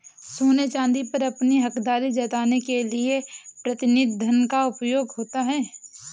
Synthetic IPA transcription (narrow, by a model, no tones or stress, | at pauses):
suːnet͡ʃãːnd̪ipɐɾɐpniɦɐkd̪aːɾid͡ʒɐt̪aːnekeliepɾɐt̪ɪnɪd̪ʱənkaʊpjoːɡɦoːt̪aɦɛː